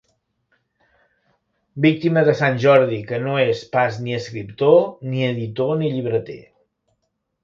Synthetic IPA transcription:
bik̚t̪iməðəsanʲʒɔɾðikənoespasniəskɾipt̪oniəðit̪oniʎiβɾət̪ḛ

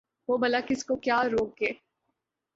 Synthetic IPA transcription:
ʋoːbɐlakɪskokjaːɾoːk̚ɡeː

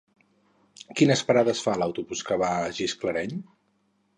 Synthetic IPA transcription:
kinəspəɾaðəsfaləwt̪uβuskəβaʒiskləɾɛʎ

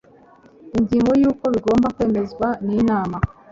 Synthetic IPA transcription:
iɲɟiːŋɡo̞juːko̞βiɡo̞ːmbakwe̞ːme̞zɡwaniːnaːma

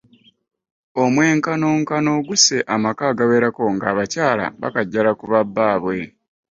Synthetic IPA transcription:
o̞mwe̞ːŋkano̞ːŋkano̞ɡuse̞ʔamakaːɡawe̞ːɾako̞ŋɡaːβacaːla̰βa̰kaɟːalakuβabːaːβwe̞

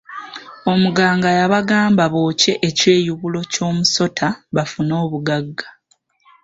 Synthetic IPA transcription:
o̞muɡaːŋɡajaβaɡaːmbaβo̞ːce̞ʔece̞ːjuβulo̞co̞ːmuso̞tʰaβafuno̞ːβuɡaɡːḁ

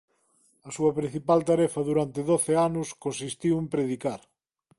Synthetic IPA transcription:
ɐsuɐpɾin̟θipalt̪aɾɛfɐðuɾant̪eðoθeanʊskonsist̪iwempɾeðikaɾ

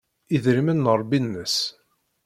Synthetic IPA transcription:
iðɾimənːəɾˤbinːəs

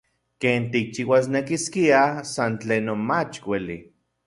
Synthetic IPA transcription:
keːnt̪ik̚t͡ʃiwas̬nekiskiasant͡ɬeːnonmat͡ʃkʷelḭ

